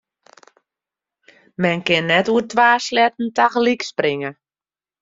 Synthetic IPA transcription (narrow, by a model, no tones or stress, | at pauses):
mɛnkɪnːɛtuətʋaːslɛtn̩taxliksprɪŋə